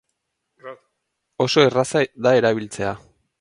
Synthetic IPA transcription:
o̞so̞erasad̪ae̞ɾaβilt͡se̞a

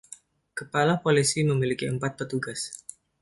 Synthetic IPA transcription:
kəpalapolisiməmilikiəmpat̪̚pət̪uɡas

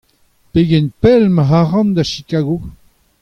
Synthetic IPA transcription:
peɡɛnpɛlmaɦaʁɑ̃nd̪aʃikaːɡo

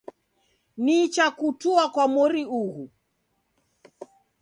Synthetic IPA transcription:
nit͡ʃakutuakwamɔɾiuɣu

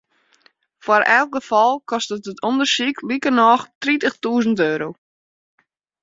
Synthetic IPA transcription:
fwaɾɛlˠk̚ɡəfɔlˠkʰɔstətətʰondərsikʰlikərnɔxtritəxtuəzən̩tøːɾow

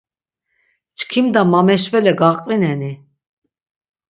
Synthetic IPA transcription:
t͡ʃkʰimd̪amamɛʃvɛlɛɡaχqʼvinɛni

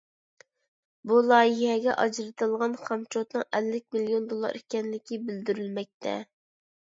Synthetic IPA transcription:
bulˠɑːjihɛɡʲɛ̰ʔɑd͡ʒɾɨt̪ɨlˠʁɑnχɑmt͡ʃʰot̪nɨŋʔɛlːɪk̚ʲmilijond̪olˠːɑ̰ɾikʲɛnlɪkʲibɪld̪yɾylmɛk̚ʲt̪ʰɛ̰

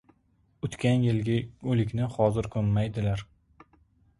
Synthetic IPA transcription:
ʊt̪kʲʰanjɪlɡʲɪɵlɪkʲnɪhɒzɪɾkʰɵmːajd̪ɪlaɾ

